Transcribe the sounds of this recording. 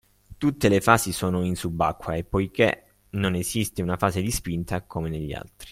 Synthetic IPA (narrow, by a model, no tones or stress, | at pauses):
t̪ut̪ːelefaːzisoːnoinsubːakːwaepːojkḛ | nonezist̪eunafaːzed̪ispint̪akʰomeneʎːia̰lt̪ɾi̥